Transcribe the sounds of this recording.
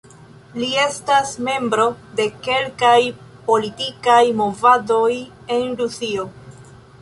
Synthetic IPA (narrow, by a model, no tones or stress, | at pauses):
lie̞stasme̞mbɾo̞de̞ke̞lkaj | po̞litikajmo̞vado̞j | endusio